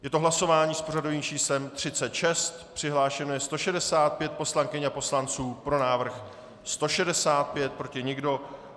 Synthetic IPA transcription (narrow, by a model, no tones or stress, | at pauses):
jɛt̪o̞ɦlaso̞vaːɲiːspo̞r̝ado̞viːmt͡ʃiːslɛmt̪r̝̥ɪt͡sɛt̪ʃɛst̪pr̝̥ɪɦlaːʃɛnojɛst̪o̞ʃɛdɛsaːt̪̚pjɛt̪̚po̞slaŋkɪɲapo̞slant͡suːpɾo̞naːvr̩x | st̪o̞ʃɛdɛsaːt̪̚pjɛt̪̚pɾo̞cɪɲɪɡdo̞